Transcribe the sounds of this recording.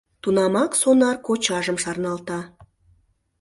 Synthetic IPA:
t̪unɑmɑksonɑrkot͡ɕɑʒəmʃɑrnɑlt̪ɑ

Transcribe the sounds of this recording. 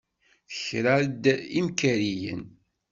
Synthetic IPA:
θə̥çɾaɾd̪imkæɾijə̰n

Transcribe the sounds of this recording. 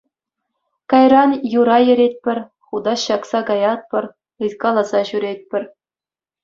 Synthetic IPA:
kɑjrɑnjuɾɑjɘ̆ɾʲet̚ʲpʲɘ̆rʲ | χud̪ɑɕɑksɑkɑjɑt̪̚pʲɤ̆r | ɯt̪kɑlˠɑzɑɕyɾʲet̚ʲpʲɘ̆rʲ

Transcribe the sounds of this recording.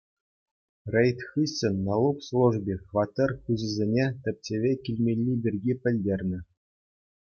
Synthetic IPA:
rʲejt̪ʲxɯɕʲɘ̆nːɑlˠupslˠuʐbʲexʋɑt̪ɤrkʲuʑɘ̆zʲenʲet̪ʲɘ̆p̚ʲtʲeʋʲekʲilʲmʲelʲːibʲirʲɡʲipʲɘ̆lʲdʲerʲnʲɘ̆

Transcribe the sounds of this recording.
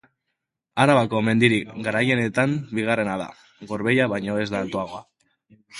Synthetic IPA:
aɾaβako̞me̞nd̪iɾiɡaɾaje̞ne̞t̪ambiɣ̞are̞naða̰ | ɣo̞ɾβe̞jaβajɲo̞e̞zd̪at̪oaɣ̞oa

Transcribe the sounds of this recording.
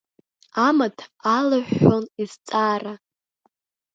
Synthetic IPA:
amatʰalaʕːonizt͡sʼaːra

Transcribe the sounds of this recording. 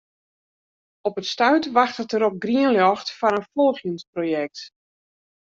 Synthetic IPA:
ɔpətstœɥtʋaxtətəɾɔp̚ɡriənljɔxtfanənfɔlˠxjənsprojɛk̚t

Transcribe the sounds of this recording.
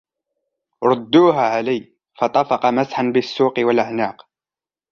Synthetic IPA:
ɾˤɑd̪ːuːɦaːʕalaj | fɑt̪ˤɑfɑqɑmasħanbɪsːuːqɪwalʔaʕnaːq

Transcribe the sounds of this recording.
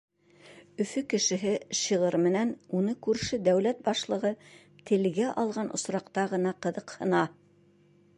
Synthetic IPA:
ɵ̆fɵkɘ̆ʃɘ̆ɦɘʃɤ̆ʁɤɾmɘ̆nænunɤkʉɾʃɘd̪æwlæt̪̚bɑʃlˠɤ̆ʁɤ | t̪ɘ̆lɡæʔɑlˠʁɑnʔŏsɾɑqt̪ɑʁɤ̆nɑqɤ̆ðɤqhɤ̆nɑ

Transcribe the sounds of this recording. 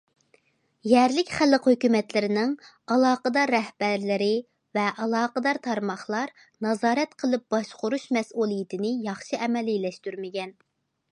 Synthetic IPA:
jɛɾlɪkʲχælːəqhøkʲymɛt̪lɪɾɪnɪŋ | ɑlˠɑːqəd̪ɑɾːɛhb̥æɾlɪɾɪ | vɛʔɑlˠɑːqəd̪ɑɾt̪ʰɑɾmɑχlˠɑɾ | nɑzɑːɾɛt̪qʰəlˠɨp̚b̥ɑʃqʊɾuʃmɛsulˠijit̪ʰɪnɪjɑχʃɨʔɛmɛlijlɛʃt̪yɾmɪɡʲɛn

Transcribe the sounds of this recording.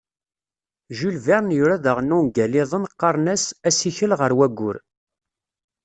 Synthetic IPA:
ʒylvɛɾˤnjuɾæðəʁnːunɡælɪðˤənqːɑɾˤnæsæsiçəlʁəɾwæɡːʊ̰ɾ

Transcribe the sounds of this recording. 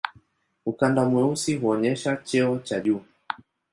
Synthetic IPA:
ukandamwɛusiɦuɔɲɛʃat͡ʃɛɔt͡ʃaʄu

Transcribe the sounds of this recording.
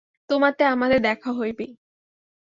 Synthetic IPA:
t̪omat̪eamad̪eɾd̪ɛkʰaɦojbe

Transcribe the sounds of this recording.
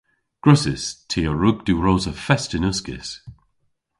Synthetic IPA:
ɡ̥ɹʊsɪ̰stʰiːəɹuɡ̚d̪̥uɹoːzəfɛstɪnʊskɪ̰s

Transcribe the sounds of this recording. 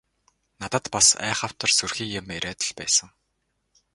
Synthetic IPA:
nat̪ə̆t̪pasæ̰ːχaw̥t̪ə̆rsurxiːkjʊ̆meɾʲæːt̪ə̆ɮpæːsə̆ŋ

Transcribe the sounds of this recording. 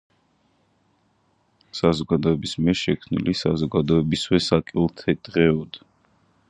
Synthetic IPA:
sazɔɡad̪ɔɛbismiɛɾʃɛkʰmnḭlisazɔɡad̪ɔɛbiswɛsakʼilˠt̪ʰɛd̪̥ʼʁɛɔd̪

